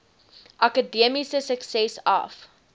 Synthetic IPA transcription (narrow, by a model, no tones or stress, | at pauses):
ʔɐkədiəmisəsəksɛsɐ̰f